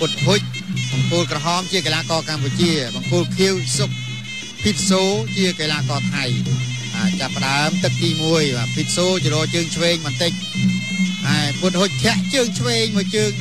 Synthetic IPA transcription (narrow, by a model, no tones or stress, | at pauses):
put̪̚ɦʊc̚ | ɓɑŋkʊlkrɔɦɑːmt͡ɕiəkelaːkɑːkamput͡ɕiəɓɑŋkuːlkʰiəwsok̚ | pʰiːp̚soːt͡ɕiəkelaːkɑːt̪ʰaj | ɓat͡ɕapːə̆ɗaəmt̪ɨk̚t̪iːmuəjɓaːpʰiːp̚soːt͡ɕɾɔət͡ɕəːŋt͡ɕʰʋeːŋɓɑnt̪ɨc̚ | haɛput̪̚hʊc̚t̪ʰɛ̆əʔt͡ɕəːŋt͡ɕʰʋeːŋmɨət͡ɕəːŋ